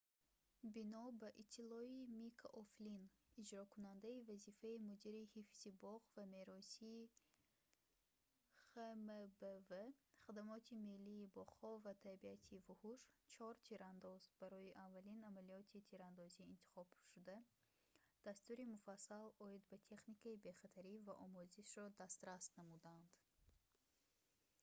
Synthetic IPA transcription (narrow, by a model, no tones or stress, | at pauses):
binɔbaʔit̪ʰːilɔimikʰʔoflinid͡ʒɾɔkʰunand̪aivazifaimud̪iɾihifz̥ibɔʁvameɾɔsi | χəməbəvəχad̪amɔt̪ʰimelːiːbɔʁhɔvat̪ʰabiat̪ʰivuhuʃt͡ʃʰɔɾt̪ʰiɾand̪ɔzbaɾɔiʔavːalinamaliɔt̪ʰit̪ʰiɾand̪ɔziːnt̪ʰi̥χɔb̥ʃud̪a | d̪̥ast̪uɾimufasːalɔid̪bat̪ʰe̞χnikʰaibe̞χat̪ʰaɾivaʔɔmuziʃɾɔd̪ast̪ɾast̪namud̪and̪̥